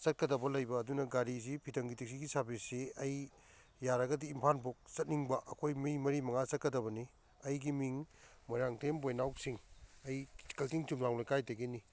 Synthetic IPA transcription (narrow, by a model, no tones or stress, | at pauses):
sɐt̚kɐdɐbɐlɐjbɐːdunɐɡaɾizipʰitɐŋɡitik̚siɡisabiseɐjː | aɾɐɡɐdiːmpʰanpok̚sɐt̚niŋbɐʔɐkʰojmiŋmɐɾimɐŋasɐt̚kɐdɐbɐni | ɐjɡimiŋmojɾaŋtʰembojnawsiŋɐjkɐltiŋtumɾaŋlojkajteɡeni